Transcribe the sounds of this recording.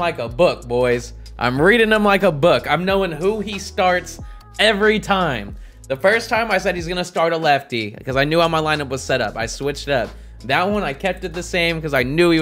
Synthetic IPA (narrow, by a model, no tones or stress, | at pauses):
laɪkəbʊk̚b̥ɔɪz | ʔã̰ɪ̃mɹiɾɪ̃ŋə̃mlaɪkəbʊkãɪ̃mnoʊɪ̃ŋɦuistɑɹts | ɛvɹitʰãɪ̃m | ðɨfɜ˞stʰãɪ̃maɪsɛd̚hizɡʌnɨstɑɹɾəlɛftikʰʌzaɪnjʉhaʊmaɪlãɪ̃nʌp̚wʌz̥sɛɾʌ̰pa̰ɪswɪt͡ʃtʌp̚ | ðɨt̚wʌ̃naɪkʰɛp̚tɨt̪̚ðɨsẽɪ̃mkʌzaɪnjʉi